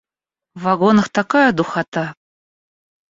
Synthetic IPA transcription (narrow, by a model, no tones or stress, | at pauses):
vɑɡonɤ̆xt̪ɑkɑjɤd̪uxɑt̪ɑ